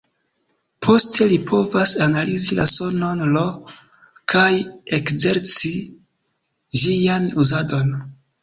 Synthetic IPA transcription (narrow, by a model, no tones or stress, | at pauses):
pʰo̞stʰe̞lipʰo̞vasanalizila̰so̞no̞nlo | kʰajekze̞ɾt͡si | ʒijanuzado̞n